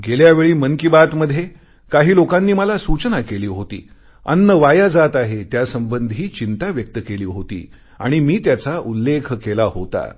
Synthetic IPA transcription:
ɡeljaʋeɭiːməŋkibat̪məd̪ʱːje | kaɦiːlokãnːiːməlasut͡ɕnakeliːɦot̪ḭː | ə̰nːəʋajad͡zat̪aɦet̪jasəmbənd̪ʱiːt͡ɕint̪aʋjək̚t̪əkeliːɦot̪ḭː | a̰ɽ̃imiːt̪jat͡saʔulːekʰkelahot̪a̰

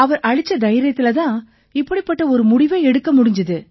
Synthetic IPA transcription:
ɐʋɐɾɐɻɪt͡ʃːɐd̪ɐjɪɾɐt̪ːɪlɐt̪ãː | ɪpːɐɽipːɐʈːɐɔɾɯmʊɽɪʋeːɛɽɯkːɐmʊɽɪɲd͡ʒɐðɯ

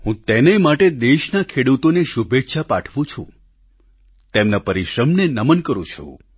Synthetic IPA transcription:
ɦũt̪enemaʈed̪eʃnakʰeɽut̪oneʃubʱetːʃʰapaʈʰʋũt͡ʃʰṵ̃ | t̪emnapəɾiʃɾəmnenəmənkəɾṵ̃t͡ʃʰṵ̃

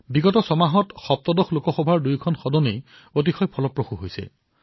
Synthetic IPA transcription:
biɡɔtɔsɔmaɦɔtxɔp̚t̪ɔdɔxlokɔxɔbʱaɹdujkʰɔnxɔdɔnej | ot̬ixɔjpʰɔlɔpɹoxuɦojsɛ̰

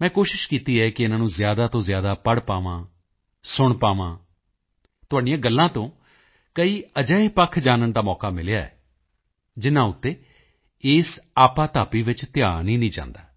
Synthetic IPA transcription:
mɛ̃ːkoːʃɪʃkiːt̪iːɛːkɪɪnãːnũːzjaːd̪aːt̪õːzɪjaːd̪aːpəɽpaːʋãː | sʊɳpaːʋãː | t̪ʊɦaːɖijãːɡəlːãːt̪õː | kəiːəd͡ʒəːiːpəkʰd͡ʒaːnənd̪aːmɔːkaːmɪlɪjaːɛ̰ː | d͡ʒɪnːãːʊt̪ːeː | eːsaːpãːt̪aːpiːʋɪt͡ʃt̪ɪjaːnĩːnĩːd͡ʒã̰ːnd̪aː

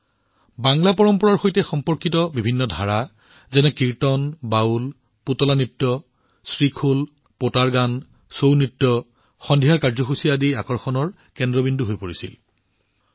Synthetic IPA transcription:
baŋlapɔɹɔmpɔɹaɹxojtɛxɔmpɔɹkitɔbibʱinːɔdʱaɹa | zɛnɛkiɹtɔnbaul | putɔlanitːɔ | sɹikʰul | potaɹɡan | sownitːɔ | xɔndʱiɦaɹkaɹzɔxusiadiakɔɹxɔnɔɹ | kɛndɹɔbinduɦojpoɹisḭl

